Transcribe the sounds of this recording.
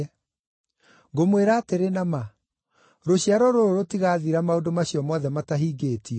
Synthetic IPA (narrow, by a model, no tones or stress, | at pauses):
ɡomweɾaːteɾenama | ɾoɕjaɾɔɾoɾoɾotiɣaðiɾamaodomaɕjɔmɔðɛmataɦiːɡeːtʰiɔ